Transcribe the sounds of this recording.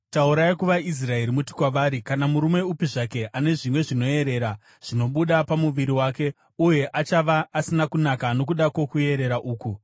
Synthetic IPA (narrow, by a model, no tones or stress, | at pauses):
tauɾajikuʋais̬rae̞ɾimuti̥kwaʋaːɾikanamuɾumeupiʐake̞ʔane̞ʐimwe̞ʐino̞e̞ɾe̞ːɾa | ʐ̥ino̞ɓuɗapamuʋiɾiwaːke̞ | uje̞ʔat͡ʃaʋaʔːsinakunakano̞k̬uɗako̞kue̞ɾe̞ɾaʔuːku